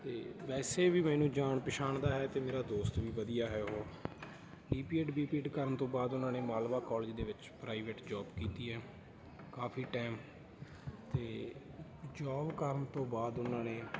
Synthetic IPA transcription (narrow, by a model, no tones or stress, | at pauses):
t̪eːʋɛːseːʋiːmɛːnũːd͡ʒaːɳpɪʃʰaːɳd̪aːɦɛːt̪eːmeːɾaːd̪oːst̪ʋiːʋəd̪ijaːɦɛːɦoː | ɖiːpiːeːʈbiːpiːɖkəɾənt̪õːbaːd̪ʊnãːneːmaːlʋaːkɔːld͡ʒid̪eːʋɪt͡ʃpɾaːiʋeːʈd͡ʒaːbkiːt̪iːɦɛː | kaːpʰiːʈɛːm | t̪eː | d͡ʒaːbkəɾənt̪õːbaːd̪ʊnãːneː